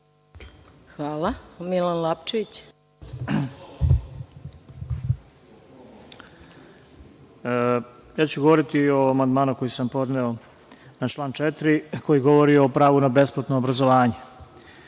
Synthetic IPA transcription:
xʋaːlamilanlapt͡ʃeʋit͡ɕ | jaːt͡ɕuɡoʋo̞ɾit̪ioamand̪maːnuko̞jisampo̞d̪neo | nat͡ʃlˠaːnt͡ʃet̪ɾiko̞jiɡo̞ʋo̞ɾioːpɾaːʋunabe̞splˠat̪noːbɾazoʋaːɲe

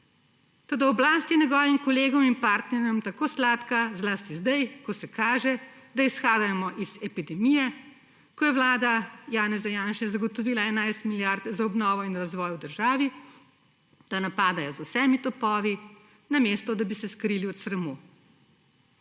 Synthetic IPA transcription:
t̪oːd̪aɔblaːst̪inɛɡɔːʋimkɔleːɡɔminpaːɾt̪nɛɾjɔmt̪akoːslaːt̪kazlaːst̪izd̪ajkɔsɛkaːʒɛd̪aisxaːd̪amɔʔiz̥ɛpid̪ɛmijɛ | kɔjɛwlaːd̪ajaːnɛzajaːnʃɛzɐɡɔt̪ɔʋiːlaɛnajst̪miljaɾd̪zaɔbnɔːʋɔinɾazʋɔːjwd̪əɾʒaːʋi | d̪̥anapaːd̪ajɔzusɛːmit̪ɔpɔːʋi | nameːst̪ɔd̪abisɛskɾiːliɔt̪sɾɐmuː

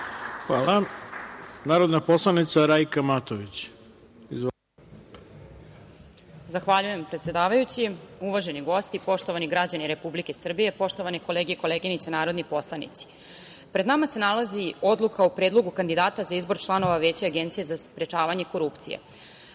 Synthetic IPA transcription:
aa | naːɾod̪naposlˠanit̪saɾajkamat̪oʋit͡ɕ | iz | zaxʋaʎuje̞mpɾet̪sje̞d̪aːʋajut͡ɕiuʋaʒe̞niɡo̞st̪ipo̞ʃt̪o̞ʋaniɡɾad͡ʑaniɾe̞publike̞sr̩bije̞po̞ʂt̪oʋaneko̞leːɡiikoleːɡinit̪senaːɾo̞d̪nipo̞slˠanḭt̪si̥ | pɾe̞d̪namase̞nalazio̞d̪lˠukaupɾed̪lˠo̞ɡukand̪id̪aːt̪azaizbo̞ɾt͡ʃlˠano̞ʋaʋe̞ːt͡ɕeaɡe̞nt̪sije̞zaspɾe̞t͡ʃaːʋaɲe̞ko̞ɾupt̪sijḛ

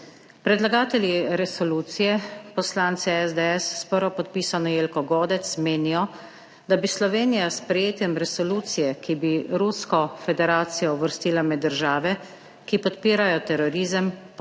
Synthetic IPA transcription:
pɾɛd̪laɡaːt̪ɛljiɾɛsɔluːt̪sijɛpɔslaːnt̪sɛɛzd̪ɛɛsːpəɾɔpɔt̪̚piːsanɔjeːlkɔɡoːd̪ɛt̪smeːnijɔ | d̪abislɔʋeːnijaspɾɛjeːt̪jɛmɾɛsɔluːt̪sijɛkibiɾuskɔfɛd̪ɛɾaːt̪sijɔuʋəɾst̪iːlamɛd̪ːəɾʒaːʋɛ | kipɔt̪piːɾajɔt̪ɛɾɔɾiːzəm

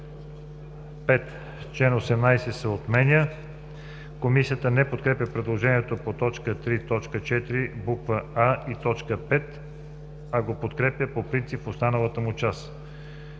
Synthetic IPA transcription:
pɛt̪ | t͡ʃlɛnosɛmnajsɛsɛot̪mɛnʲə | komisiət̪ənɛpot̪kɾɛpʲjəpɾɛd̪lˠoʒɛniɛt̪opot̪ɔt͡ʃkət̪ɾit̪ɔt͡ʃkət͡ʃɛt̪iɾibukvəait̪ɔt͡ʃkəpɛt̪ | ɐɡopot̪kɾɛpʲjəpopɾint̪sipfost̪anəlˠət̪əmʊt͡ʃas

